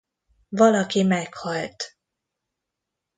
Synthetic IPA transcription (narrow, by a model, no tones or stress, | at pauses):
vɒlɒkimɛkhɒlt̪